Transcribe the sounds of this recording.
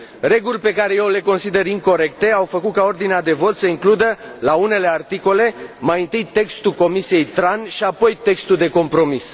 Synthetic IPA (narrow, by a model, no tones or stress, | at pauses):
ɾe̞ɡulʲpe̞kaɾe̞jewle̞ko̞nsid̪e̞ɾimko̞ɾe̞kt̪e̞awfəkut̪̚kao̞rd̪inead̪e̞vo̞t̪səiŋklud̪əlaune̞le̞art̪iko̞le̞majɨnt̪ɨjt̪e̞kst̪uko̞misije̞jt̪ɾanʃiapo̞jt̪e̞kst̪uld̪e̞ko̞mpɾo̞mis